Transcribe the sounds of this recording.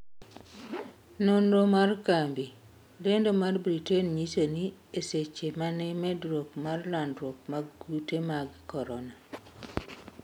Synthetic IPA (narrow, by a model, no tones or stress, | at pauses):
nondomarkambi | lendomarbɾitenɲisonieset͡ʃemanɛmɛdɾokmarlandɾok̚maɡɡutemaɡkɔɾɔna